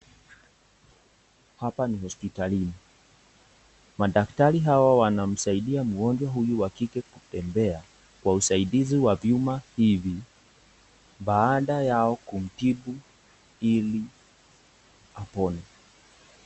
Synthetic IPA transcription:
hapanihɔspitalini | maɗaktaɾiɦawawanam̩saiɗiamuɡɔnd͡ʒwaɦujuwakikɛkutɛmbɛa | kwausaiɗiziwavjumahivi | ɓaːɗajaɔkum̩tiɓu | ili | apɔnɛ

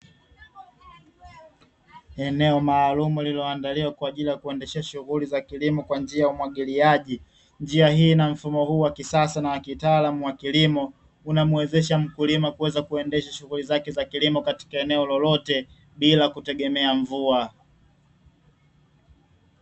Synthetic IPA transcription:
ɛnɛɔmaːlumulilɔandaliwakwaːʄilijakuɛndɛʃɛaʃuɣulizakilimɔkwand͡ʒiajaumwaɠiliaʄi | nd͡ʒiahiːnam̩fumɔhuːwakisasanawakitaaːlamuwakilimɔ | unamuwɛzɛʃam̩kulimakuwɛzakuɛndɛʃaʃuɣulizakɛzakilimɔkati̥kaɛnɛɔlɔlɔtɛ | ɓilakutɛɠɛmɛaɱvua

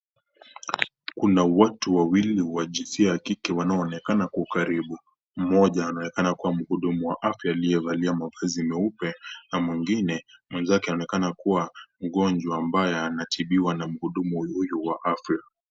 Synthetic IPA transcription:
kunawatuwawiliwaʄinsiajakikɛwanaɔːnɛkanakukaɾiɓu | m̩mɔʄaːnaɔnɛkanakuwam̩huɗumuwaʔafjaːliɛvaliamavazimɛupɛnamwiŋɡinɛmwɛnzakɛanaɔnɛkanakuwam̩ɠɔnd͡ʒwaːmbajɛanatʰiɓiwanam̩huɗumuhujuwaʔafɾika

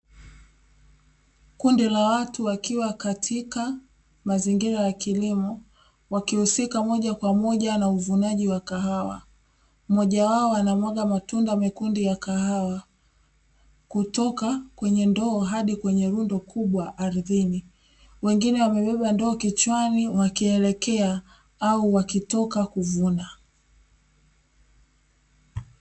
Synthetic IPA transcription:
kundilawatuwakiwakatʰika | maziŋɡiɾajakilimɔ | wakihusikamɔʄakwamɔʄanauvunaʄiwakaɦawa̰ | mɔʄawaɔwanamwɔɠamatundamɛkundijakaɦawa | kutɔkakwɛɲɛndɔːɦaɗikwɛɲɛɾundɔkʰuɓwaʔːɾðini | wɛŋɡinɛwamɛɓɛɓandɔːkit͡ʃwaniwakiɛlɛkɛa | auwakitɔkakuvuna

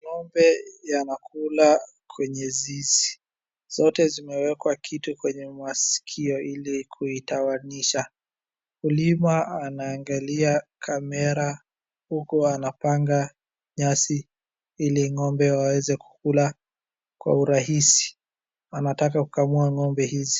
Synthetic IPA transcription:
ŋɔmbɛjanakʰula | kʰwɛɲɛzizi̥ | z̥ɔtɛzimɛwɛkwakʰitukwɛɲɛmasi̥kʰiɔʔilikʰuitawaniʃa | ulimaanaːŋɡaliakʰamɛɾa | hukuanapaŋɡa | ɲasi | iliŋɔmbɛwawɛzɛku̥kula | kwa̰uɾaɦisi̥ | anatak̬akukamuaŋɔmbɛhizi̥

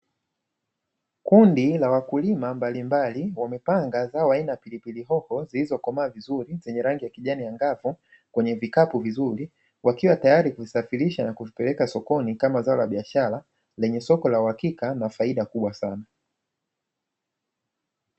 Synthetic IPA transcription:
kundilawakulimambalimbaliwamɛpaŋɡazaɔainajapilipiliɦɔhɔzilizɔkɔmaːvizuɾizɛɲɛɾaŋɡijakiʄanijaŋɡavu | kwɛɲɛvikapuvizuɾi | wakiwatajaɾikuvisafiɾiʃanakuvipɛlɛkasɔkɔnikamazaɔlaɓiaʃaɾa | lɛɲɛsɔkɔlauhakikanafaiɗakuɓwasana

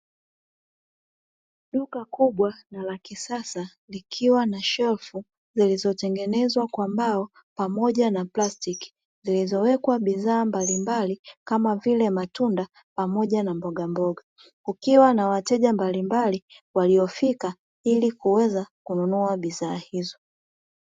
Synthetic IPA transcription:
ɗukakuɓwanalakisasa | likʰiwanaʃɛlfu | zilizɔtɛŋɡɛnɛzwakwambaɔ | pamɔʄanaplastiki̥ | zilizɔwɛkwaɓiðaːmbalimbalikamavilɛmatunda | pamɔʄanambɔɠambɔɠa | kukiwanawatɛʄambalimbaliwaliɔfika | ilikuwɛzakununuaɓizaːhizɔ

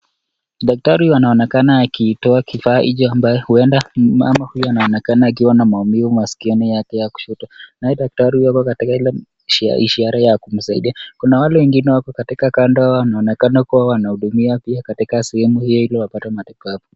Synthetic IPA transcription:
ɗak̚taɾijanaɔnɛkanaːkitɔakifaːʔiʄɔambajɛhuɛndama̰mahujɔanaɔnɛkanaːkiwanamaumivumasi̥kiɔnijakɛjaku̥ʃutanajɛɗak̚taɾihujwakɔkatikahilɛ̰ | ḭʃiaɾajakum̩saḭɗiakunawalɛwɛŋɡinɛwakɔkatikakandɔhawawanaɔnɛkanakuwawanahuɗumiapiakatikasɛhɛmuhijɔhilɔwapatamatɛfavu

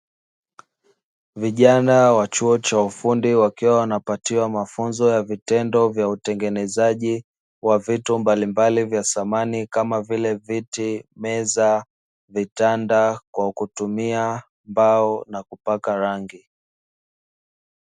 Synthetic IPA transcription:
viʄanawat͡ʃuɔt͡ʃaufundiwakiwawanapatiwamafunzɔjavitɛndɔvjautɛŋɡɛnɛzaʄi | wavitumbalimbalivjasamanikamavilɛvitimɛza | vitandakwakutumia | mbaɔnakupakaɾaŋɡi

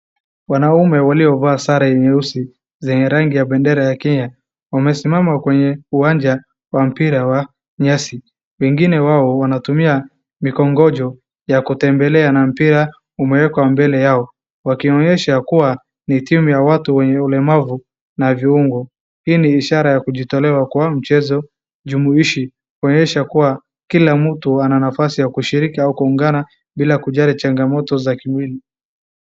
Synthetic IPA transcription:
wanaumɛwaliɔvaːsaɾaɛɲɛusi | zɛɲɛɾaŋɡijaɓɛndɛɾajakɛɲa | wamɛsimamakwɛɲɛuwand͡ʒa | wam̩piɾawa | ɲasi | wɛŋɡinɛwaɔwanatumia | mikɔŋɡɔd͡ʒɔ | jakutɛmbɛlɛanam̩piɾa | umɛwɛkwambɛlɛjaɔ | wakiɔɲɛʃakuwa | nitimujawatuwɛɲɛulɛmavu | naviuŋɡu | hiːniːʃaɾajakuʄitɔlɛwakuwam̩t͡ʃɛzɔ | ʄumuiʃi | kuɔɲɛʃakuwa | kilam̩tuananafasijakuʃiɾikiaukuːŋɡana | bilakuʄalit͡ʃaŋɡamɔtɔzakimwili

